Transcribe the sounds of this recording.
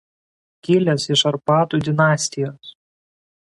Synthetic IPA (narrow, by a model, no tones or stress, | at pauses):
kʲɪlʲɛsɪʃɐɾpɑːt̪uːd̪ʲɪnɑːsʲt̪ʲɪjoːs